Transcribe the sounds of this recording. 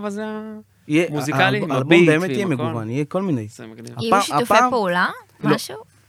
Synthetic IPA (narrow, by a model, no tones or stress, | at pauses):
ijeaalbombeːmet̪ijemeɡuvanijekolminejaaapːpula | mlʃu